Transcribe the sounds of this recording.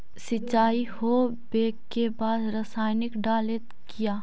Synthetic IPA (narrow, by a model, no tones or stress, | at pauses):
sɪt͡ʃːaːiho | beːkːebaːd̪ɾəsaːjnɪkɖaːlet̪ | kijaː